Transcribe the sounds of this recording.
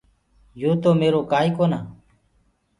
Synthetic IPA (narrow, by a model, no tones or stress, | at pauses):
juːt̪oːmeːɾoːkaːiːkoːnaː